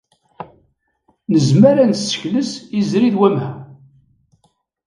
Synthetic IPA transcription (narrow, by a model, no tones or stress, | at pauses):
nəzmaɾansːə̥çləsizɾiðwæmhæ